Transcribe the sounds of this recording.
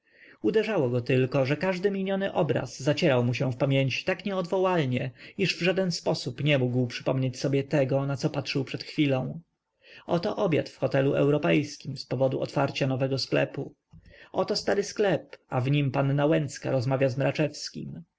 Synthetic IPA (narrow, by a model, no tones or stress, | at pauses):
ud̪ɛʐawɔɡɔt̪ɘlkɔʐɛkaʐd̪ɘmʲiɲɔnɘʔɔbɾa̰zːat͡ɕɛɾawmuɕɛ̃fpamʲjeɲt͡ɕi̥t̪akɲɛɔd̪vɔwalɲɛiʐvʐad̪ɛnspɔsupɲɛmuɡwpʂɘ̥pɔmɲet͡ɕsɔbʲjɛt̪ɛɡɔnat̪sɔpatʂɘwpʂɛt̪xfʲilɔ̃w̃ | ɔt̪ɔʔɔbja̰t̪fxɔt̪ɛluʔɛ̰wɾɔpɛjskʲimspɔvɔd̪uʔɔ̰t̪faɾt͡ɕanɔvɛɡɔsklɛ̰pu | ɔt̪ɔst̪aɾɘsklɛpavɲimpanːawɛnt̪ska̰ɾɔzmavʲjazmɾat͡ʂɛfskʲḭm